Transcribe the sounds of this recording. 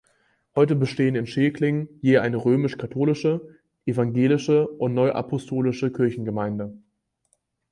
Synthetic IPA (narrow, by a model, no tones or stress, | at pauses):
hɔʏtəbəʃteːənɪnʃeːkʰlɪŋjeːʔaɪnəʁøːmɪʃkʰatʰoːlɪʃə | ʔevaŋɡeːlɪʃəʔʊntnɔʏʔa̰pʰɔstʰoːlɪʃəkʰɪɐçn̩ɡəmaɪndə